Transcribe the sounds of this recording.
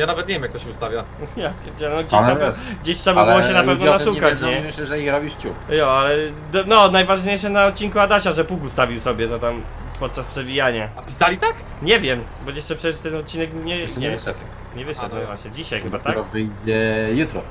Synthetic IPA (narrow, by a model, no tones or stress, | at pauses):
janavɛt̪ɲevʲjemjak̚t̪ɔɕɛust̪avʲja | japʲjɛt͡ɕɛnɔɡd͡ʑaɡd͡ʑeɕtʂɛbaabwɔɕɛnapɛvnɔnaʂukat͡ɕɲɛmɪɕlɛʐɛixɾɔbʲiʂt͡ɕujɔalɛ | d̪ɔnɔnajvaʐɲejʂɛnaɔt̪̚t͡ɕːinkuad̪aɕaʐɛpukust̪avʲiwsɔbʲjɛt̪ɔt̪am | pɔt̪̚t͡ʂaspʂɛvʲijaɲaapʲisalʲit̪ak | ɲɛvʲjɛm | bɔjɛʂt͡ʂɛpʂɛst̪ɛnɔt̪̚t͡ɕinɛkɲɛɲɛ | ɲɛvɘʂɛt̪nɔvaɕɲɛd͡ʑiɕajxɨbat̪akɔvɘjd͡ʑɛjut̪ɾɔ̰